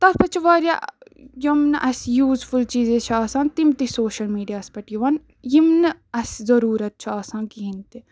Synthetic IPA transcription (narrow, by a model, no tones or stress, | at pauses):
t̪ɐɾpɐt͡ʃʰiʋaːɾja̰jɐmnʔɐsjuːzfʰult͡ʃiːzet͡ʃʰaːsãːnt̪imt̪isoːʃɐlmiːɖijaːspɐʈjiʋɐn | jimnɐszɐɾuːɾɐt̪̚t͡ʃʰuaːsãːnkiɦint̪e